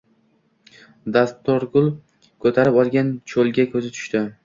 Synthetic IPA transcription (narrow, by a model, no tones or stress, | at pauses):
d̪ast̪ʰːoɾɡʊlˠ | kʰɵt̪ʰaɾɪpɒlˠɡʲant͡ʃʰolɡʲakʰʲɵzɪt̪ʰʊ̥ʃt̪ɪ